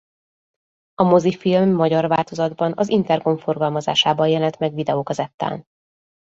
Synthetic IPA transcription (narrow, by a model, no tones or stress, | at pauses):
ɒmozifilmːɒɟɒrʋaːlt̪ozɒd̪bɒnɒzint̪ɛrɡo̞ɱfo̞rɡɒlmɒza̰ːʃaːbɒjjɛlɛnt̪mɛɡʋid̪ɛoːkɒzɛt̪ːa̰ːn